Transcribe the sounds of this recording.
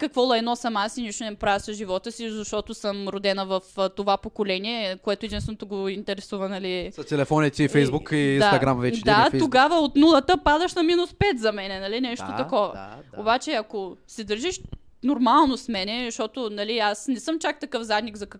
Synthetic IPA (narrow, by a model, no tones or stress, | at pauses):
kɐkvɔlˠɛɛnɔsɐmasiniʃt̪ʊnɛnɐpɾavɛsɐʒivɔt̪əsizɐʃt̪ɔt̪osəmɾod̪ɛnəvɐft̪ovapokolɛniɛkoɛt̪ʊɛd̪insvɛnot̪oɡoint̪ɛɾɛsuvɐnɐlisɐt̪ɛlɛfɔnit̪ʲiifɛjzbukiiːnd̪at̪ɐɡɾamvɛt͡ʃd̪ɛaoɡavəot̪nulˠɐt̪əpad̪əʃnɐminuspɛt̪zɐmɛnɛnɐlinɛʃt̪ot̪ɐkɔvɐ̰obat͡ʃɛɐkosɛd̪ɐɾʒiʃ | noɾmalˠnosmɛnɛzʃt̪ɔt̪onɐliasnɛsɤmt͡ʃak̚t̪ɐkɤfzad̪niɡzɐkɐ